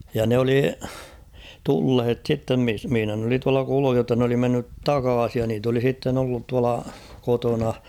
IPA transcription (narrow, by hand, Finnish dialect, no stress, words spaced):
jɑ ne oli tulhet sitːem mis mihĭnæ n oli tuɑlɑ kuluːh jotːɑ n oli menːyt tɑkɑːsij jɑ niːt oli sitːen olːut tuɑlɑ kotonɑ